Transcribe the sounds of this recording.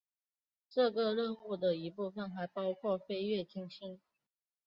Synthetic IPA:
ʈ͡ʂɤ˥˨ɡə˨ɻə˥˧nu˥˩d̪ə˩i˧˥pu˥˩fə˨˩nxa˧˥ɪpɑ˥ʊkʰwɔ˥˩fe˥ɪɥɛ˥˩tʰi˥ŋɕi˥n

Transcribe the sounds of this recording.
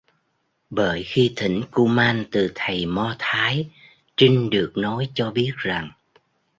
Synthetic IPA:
ɓəː˧˩jxi˧t̪ʰï˧˩ŋ̟ku˧maː˧nt̪ɨ˨˩t̪ʰə˨˩jmɔ˧t̪ʰaː˨˦j | t͡ɕi˧ŋ̟ɗɨ˨˩ək̚nɔ˨˦jt͡ɕɔ˧ɓi˦˥ət̚za˨˩ŋ

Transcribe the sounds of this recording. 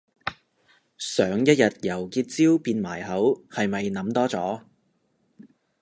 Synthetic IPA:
sœː˨˥ŋjɐ˥t̚jɐ˨t̚jɐ˨˩wkiː˧t̚t͡siː˥wpiː˧nmaː˨˩jɦɐ˨˥whɐ˨jmɐ˨jnɐ˨˥mt̪ɔː˥t͡sɔː˨˥

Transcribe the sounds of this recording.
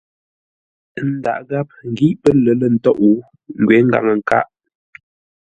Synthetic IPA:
n̩˦da̰˨ʔɡa˦p̚ŋ˨ɡi˦ʔpə˦lə˨˦lə˦˨n̩˦tɔ˦ʔu˨˦ | ŋ̩˨ɡɥɛ˨˦ŋ̩˦ɡa̰˨ŋə˨ŋ̩˨ka̰˦ʔ

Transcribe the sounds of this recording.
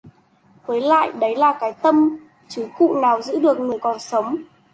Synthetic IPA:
kwə˨˦jla̰ː˧˨jɗə˨˦jlaː˨˩kaː˨˦jt̪ə˧m | t͡ɕɨ˨˦kṵ˧˨naː˨˩wzɨ̰˧˥ɗɨ˨˩ək̚ŋɨ˨˩əjkɔ˨˩nsə˨˦wŋ͡m

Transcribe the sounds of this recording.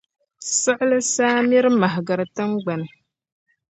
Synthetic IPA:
sɨ˦ʔɪ˦lɨ˦saː˦mi˦ɾɨ˦ma˨ɦɪ˨ɡɨ˨ɾɨ˨tɨ˦ŋɡ͡ba˨nɨ˨

